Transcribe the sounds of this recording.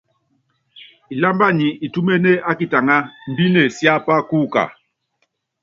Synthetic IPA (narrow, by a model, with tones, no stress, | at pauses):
i˨la˦mba˦ɲi˨i˨tu˦me˦ne˦a˦ki˨ta˨ŋa˦m̩˨bi˦ne˨sja˦pa˦ku˦ka̰˨